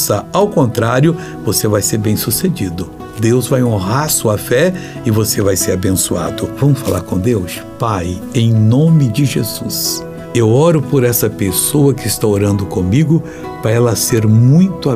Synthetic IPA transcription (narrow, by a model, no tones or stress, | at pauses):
sɐawkõnt̪ɾaɾjʊ | vosevajseɾbẽj̃sused͡ʒid̪ʊ | d̪ewzvajõɦaɾsuɐfɛ | ɪvosevajseɾabẽsua̰d̪ʊvɐ̃mʊsfala̰ɾkõd̪ews | paj | ẽj̃nõmɪd͡ʒɪʒezus | ewɔɾʊpoɾɛsɐpesoɐkɪɪst̪aoɾɐ̃nd̪ʊkõmiɡʊ | pɾɐɛlɐseɾmũj̃t̪ʊa